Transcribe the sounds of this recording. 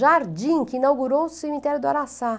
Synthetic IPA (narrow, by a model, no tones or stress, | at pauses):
ʒaɾd͡ʒĩkɪinawɡuɾowʊsemit̪ɛɾjʊd̪ʊaɾasã